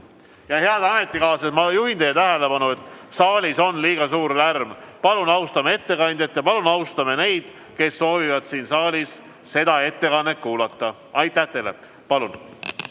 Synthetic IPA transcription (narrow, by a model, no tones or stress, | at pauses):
jɑheɑd̪̥ɑme̞t̪ːˑikɑːsɑsmɑjuɦind̪̥ejɑt̪æɦe̞le̞pɑnue̞t̪ːˑsɑːlʲiso̞nːliːɡ̥ɑsuːɾlærmpɑlunɑwst̪ɑmee̞t̪ːe̞kɑnʲd̪̥ʲjɑt̪jɑpɑlunɑwst̪ɑme̞ne̞jd̪̥ | ke̞sːo̞ːvivɑd̪̥siːnsɑːlʲis | se̞d̪̥ɑe̞t̪ːe̞kɑnːekːuːlɑt̪ˑːɑ | ɑjt̪ːˑæht̪e̞lḛ | pɑlun